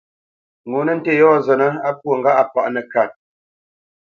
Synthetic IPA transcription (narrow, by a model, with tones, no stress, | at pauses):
ŋo˨˦nə˦n̩˦te˦˨jɔː˦˨zə˨nə˦a˦pwo˦˨ŋɡa˦ʔa˨pa̰˨ʔnə˨ka˨n